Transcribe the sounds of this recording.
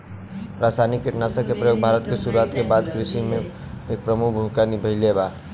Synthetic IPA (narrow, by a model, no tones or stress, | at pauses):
ɾasajnikːeʈnasə̃kepɾəjoːɡ̚bʱaɾət̪kesuɾuat̪kebad̪kɾɪʃimẽ | eːk̚pɾəmukʰbʱũkanibʱəɪleba